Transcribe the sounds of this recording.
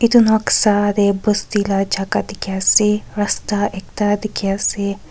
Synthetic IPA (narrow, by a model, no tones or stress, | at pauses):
it̪unoksaːd̪ebost̪ilad͡ʒakad̪ikjasiɾɐst̪aʔek̚t̪ad̪ikasi